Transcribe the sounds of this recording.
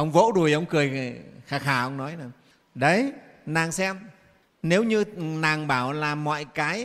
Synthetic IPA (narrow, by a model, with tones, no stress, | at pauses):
ʔə˧wŋ͡mvo̰˧˥ɗu˨˩əjʔə˧wŋ͡mkɨ˨˩əjxaː˧˩xaː˧˩ʔə˧wŋ͡mnɔ˨˦jna˨˩ | ɗə˨˦j | naː˨˩ŋsɛ˧m | ne˨˦wɲɨ˧naː˨˩ŋɓaː˧˩wlaː˨˩mɔ̰˧˨jkaː˨˦j